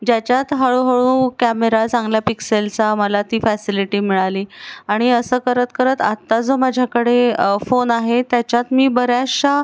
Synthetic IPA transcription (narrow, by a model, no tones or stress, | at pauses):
d͡ʑat͡ɕjat̪ɦəɭuɦəɭũkæmeɾat͡sãŋɡljapikselt͡saməlat̪iːfɛsiliʈiːmiɭaliːaɽ̃iəsəːkəɾət̪kəɾət̪a̰t̪ːad͡zomad͡ʑʱjakəɽefonaɦet̪jat͡ɕjat̪miːbəɾjaɕa